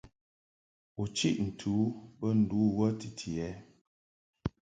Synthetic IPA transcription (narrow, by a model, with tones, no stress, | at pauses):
u˨t͡ʃḭ˦ʔn̩˨tʰu˨˦pə˦n̩˨duː˨˦wə˦ti˨tʰi˨ɛ˦